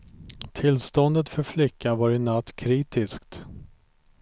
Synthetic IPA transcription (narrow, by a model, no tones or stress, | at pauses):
t̪ʰɪlst̪ɔnd̪ət̪fœɾflɪkːanvaɾɪnːat̪ːkʰɾiːt̪ɪskt̪